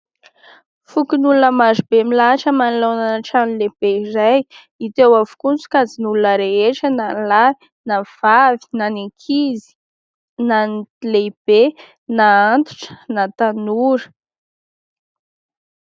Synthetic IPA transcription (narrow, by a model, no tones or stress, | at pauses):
fukinulunəmazubemilaʈ͡ʂəmanilonanaʈ͡ʂanleb̥eizaj | it̪ewavu̥kunt͡su̥kazinulunəɾeeʈ͡ʂənanlai | nav̥avi̥naniŋkʰizi̥ | nanileib̥e | naant̪u̥ʈ͡ʂə̥nat̪anuɾə̥